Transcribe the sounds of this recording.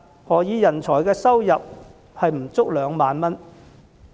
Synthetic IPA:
hɔː˨˥jiː˨˧jɐ˨˩nt͡sʰɔː˨˩jkɛː˧sɐ˥wjɐ˨p̚ | hɐ˨jm̩˨˩t͡sʊ˥k̚lœː˨˧ŋmaː˨nmɐ˥n

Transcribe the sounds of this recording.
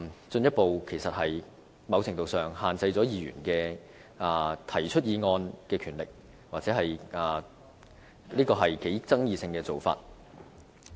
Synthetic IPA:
t͡sɵ˧njɐ˥t̚po˨wkʰe˨˩jsɐ˨t̚hɐ˨j | mɐ˨˧wt͡sʰɪ˨˩ŋt̪o˨wsœː˨˩ŋhaː˨nt͡sɐ˧jt͡sɔː˨˥jiː˨˧ɥy̰ː˨˩nkɛː˧ | ʔaː˨˩t̪ʰɐ˨˩jt͡ʃʰɵ˥t̚jiː˨˧ŋɔː˧nkɛː˧kʰyː˨˩nlɪ˨k̚ | waː˨t͡sɛː˨˥ɦɐ˨jaː˨ | liː˥kɔː˧ɦɐ˨jke˨˥jt͡sɐ˥ŋjiː˨˧sɪ˧ŋkɛː˧t͡so˨wfa̰ː˧t̚

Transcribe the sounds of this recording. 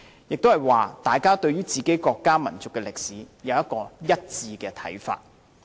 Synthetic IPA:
jɪ˨k̚t̪o˥whɐ˨jwaː˨t̪aː˨jkaː˥t̪ɵ˧ɥyː˥t͡siː˨˩ke˨˥jkɔː˧kːaː˥mɐ˨˩nt͡sʊ˨kːɛ˧lɪ˨k̚siː˨˥ | jɐ˨˧wjɐ˥t̚kːɔː˧jɐ˥t̚t͡siː˧kɛː˧t̪ʰɐ̰˨˥jfa̰ː˧t̚

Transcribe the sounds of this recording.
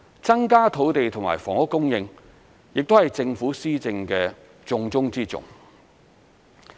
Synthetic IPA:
t͡sɐ˥nkaː˥t̪ʰo˨˥wt̪e˨jt̪ʰʊ˨˩ŋma̰ː˨˩jfɔ̰ː˨˩ŋʊ˥kːʊ˥ŋjɪ˧ŋ | jɪ˨k̚t̪o˥hɐ˨jt͡sɪ˧ŋfuː˨˥siː˥t͡sɪ˧ŋkɛː˧ | t͡sʊ˧ŋt͡sʊ˥ŋt͡siː˥t͡sʊ̰˨ŋ

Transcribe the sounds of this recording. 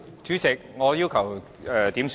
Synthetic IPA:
t͡ʃy˨˥t͡sɪ˨k̚ŋɔː˨˧jiː˥wkʰɐ˨˩w | ɛː˧t̪iː˨˥ms

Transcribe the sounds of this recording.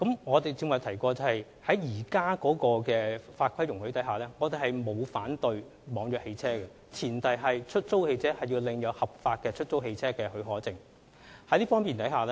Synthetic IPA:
kɐ˨˥mŋɔː˨˧t̪e˨jt͡si˧ŋm˨wt̪ʰɐ˨˩jkɔː˧t͡sɐ˨˧hɐ˨j | hɐ˨˥jjiː˨˩kaː˥kɔː˨˥kɔː˧kɛː˧faː˧t̚kʷʰɐ˥jʊ˨˩ŋhɵ˨˥t̪ɐ˨˥ɦaː˨˩lɛː˥ŋɔː˨˧t̪e˨jɦɐ˨jmo˨˧wfaː˨˥nt̪ɵ˨˧ɥ | mɔː˨˧ŋjœː˨k̚he˧jt͡sʰɛː˥ɡɛ˨ | t͡sʰiː˨˩nt̪ɐ˨jɦɐ˨jt͡ʃʰɵ˥t̚t͡so˥whe˧jt͡sʰɛː˥hɐ˨jiː˧wlɪ˨ŋjɐ˨˧whɐ˨p̚faː˧t̚kɛː˧t͡ʃʰɵ˥t̚t͡so˥whe˧jt͡sʰɛː˥kɛː˧ɦɵ˨˥ɥɦɔː˨˥t͡sɪ˨ŋ | hɐ˨˥liː˥fɔː˥ŋmpiː˨nt̪ɐ˨˥haː˨lɛ˥

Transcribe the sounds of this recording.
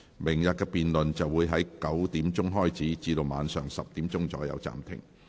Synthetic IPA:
mɪ˨˩ŋjɐ˨t̚kɛː˧piː˨nlɵ˨nt͡sɐ˨wːuː˨˧jɦɐ˨˥jkɐ˨˥wt̪iː˨˥mt͡sʊ˥ŋɦɔː˥jt͡siː˨˥t͡siː˧d̪o˨˧wmaː˨˧nsœː˨˩ŋsɐ˨p̚t̪iː˨˥mt͡sʊ˥ŋt͡sɔ̰ː˨˥jɐ̰˨˧wt͡sa̰ː˨mt̪ʰɪ̰˨˩ŋ

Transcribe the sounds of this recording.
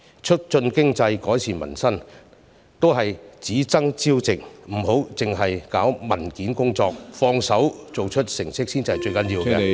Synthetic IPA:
t͡ʃʰɵ˥t̚t͡ʃɵ˧nkɪ˥ŋt͡sɐ˧jkɔː˨˥jt͡sʰiː˨˩nmɐ̰˨˩nsɐ˥n | t̪o˥wɦɐ˨jt͡siː˨˥t͡sɐ˥ŋt͡siː˥wt͡sɪ˨k̚m̩˨˩ɦo˨˥wt͡sɪ˨ŋɦɐ˨jkaː˨˥wmɐ˨˩nkiː˨˥nkʊ˥ŋt͡sɔː˧k̚fɔː˧ŋsɐ˨˥wt͡so˨wt͡ʃʰɵ˥t̚sɪ˨˩ŋsɪ˥k̚siː˥nt͡si˨˧hɐ˨˩t͡ʃɵ˧jkɐ˨˥njiː˧wɛ˧

